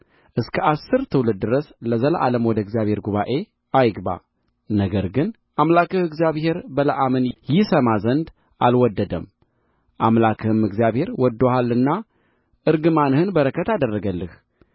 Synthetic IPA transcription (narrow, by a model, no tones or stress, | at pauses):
ʔɨskʰəʔasːɨɾt̪ʰɨwlɨd̪̚d̪ɨɾəsləzələʔaləmwɔd̪əɨɡzjaβhe̞ɾɡuβaʔe̞ | ajɡba̰ | nəɡəɾɡɨn | ʔamlakɨhɨɡzjaβhe̞ɾbələʔamɨnjɪsəmazənd̪ | ʔalwɔd̪ːəd̪əm | ʔamlakʰɨhɨmɨɡzijaβhe̞ɾwɔd̪ːohalːɨnːa | ʔɨɾɡɨmanɨhɨnbəɾəkʰət̪ad̪ərːəɡəlːɨh